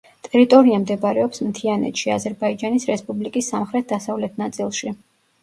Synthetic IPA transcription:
t̪ʼɛɾit̪ʼɔɾiamd̪ɛbaɾɛɔpsmt̪ʰianɛ̰t̪ʃiazɛɾbaid͡ʒanisɾɛspʼublikʼisːamχɾɛt̪̚d̪asavlɛt̪ʰnat̪sʼilˠʃi

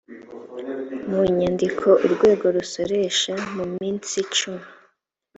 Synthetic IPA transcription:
muɲandikʰo̞ʔuɾɡwe̞ːɡo̞ɾuso̞ɾe̞ʃamumiːnt͡sit͡ʃumi

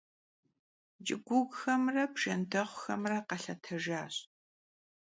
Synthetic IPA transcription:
d͡ʒʼɪ̰ɡʷʊɡxɐmrɐbʒɐndʰɐʁʷxɐ̰mrɐqɐɬɐtʰɐʒaːɕ

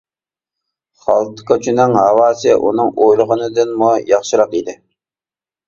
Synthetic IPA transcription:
χɑlˠt̪ɨ̥kɑt͡ʃʰynɪŋɦɑwɑːsɨʔṵnɨŋʔojlˠəʁənɨd̪ɨnmujɑχʃɨɾɑqid̪ɪ

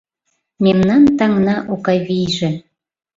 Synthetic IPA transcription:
memnɑnt̪ɑŋnɑʔokɑjβijʒe

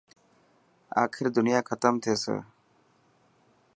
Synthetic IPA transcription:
a̰ːkʰiɾd̪unijakʰɐt̪əmt̪ʰesə̰

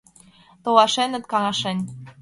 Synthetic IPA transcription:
t̪owɑʃenə̆t̪kɑŋɑʃenʲ

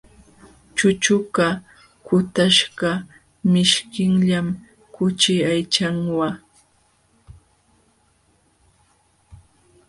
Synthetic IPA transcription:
t͡ʃʊt͡ʃʊka | kʊt̪aʃɢa | mɪʃkɪŋʎam | kʊt͡ʃɪajt͡ʃaŋwa

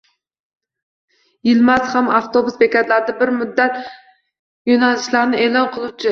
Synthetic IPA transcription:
jɪlmashamɑft̪ʰobʊsbekʲɛt̪laɾd̪abɪɾmʊd̪ːæt̪ | jonælɪʃlaɾnɪeːlˠɒnqʰɨlˠut͡ʃʰɪ

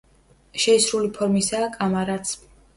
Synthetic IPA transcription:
ʃɛisɾulipʰɔɾmisaːkʼamaɾat̪sʰ

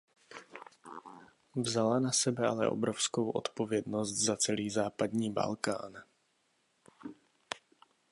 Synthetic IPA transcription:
vzalanasɛbɛa̰lɛ̰ʔobɾofsko̞wʔo̞̰t̪po̞vjɛd̪nost̪zat͡sɛliːzaːpad̪ɲiːba̰lka̰ːn

